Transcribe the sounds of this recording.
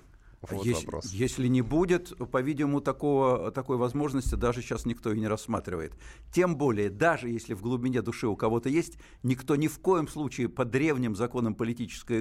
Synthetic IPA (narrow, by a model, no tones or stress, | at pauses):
ḛsjesʲlʲɪnʲɪbudʲɪt̪pɐvʲidʲɪmʊt̪ɐkovət̪ɐko̞jvɐzmo̞ʐnəsʲtʲɪd̪aʐɨɕːasnʲɪkt̪o̞ɪnʲɪɾɐsːma̰t̪ɾʲɪvə̰jɪt̪ | tʲe̞mbo̞lʲɪjəd̪aʐɨjesʲlʲɪvɡlˠʊbʲɪnʲe̞d̪ʊʂɨʊkɐvo̞t̪əjesʲtʲ | nʲɪkt̪o̞nʲɪfko̞jɪmslˠut͡ɕɪɪpəd̪ɾʲe̞vnʲɪmzɐko̞nəmpəlʲɪtʲit͡ɕɪ̥skəjə